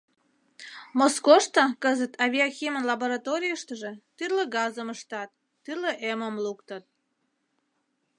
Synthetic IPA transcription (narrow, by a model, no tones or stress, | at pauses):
moskoʃt̪ɑkəzət̪ʰɑvʲiaxʲimənlɑboɾɑt̪oɾʲijəʃt̪əʒe̽t̪yrleɡɑzəməʃt̪ɑt̪ː | yrleʔeməmlukt̪ət̪̚